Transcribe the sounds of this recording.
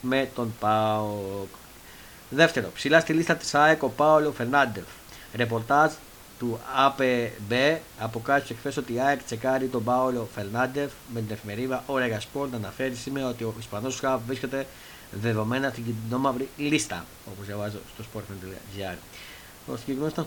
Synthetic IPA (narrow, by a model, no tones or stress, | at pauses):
me̞t̪o̞npɐok | ðe̞ft̪e̞ɾo̞̰psilɐst̪ilist̪ɐt̪i̥sɐeko̞paolofe̞ɾnɐnd̪e̞v | ɾe̞p̬o̞ɾt̪ɐz | t̪uɐpebeɐpo̞kɐi̥sekθe̞so̞t̪iɐekt͡se̞kɐɾit̪o̞bɐolo̞fe̞ɾnɐnd̪e̞vme̞t̪ine̞fime̞ɾiðɐʔo̞ɾeɣɐspolnɐnɐfe̞ɾisimeo̞t̪io̞ispɐno̞skɐvɾisce̞t̪e̞ | ðe̞ðo̞me̞nɐst̪iɟid̪ino̞mɐvɾilist̪ɐ̰ | o̞po̞zjɐvɐzost̪ospoɾt̪mend̪l̰ʝɐɾ | o̰siɟeɣnosit̪ɐ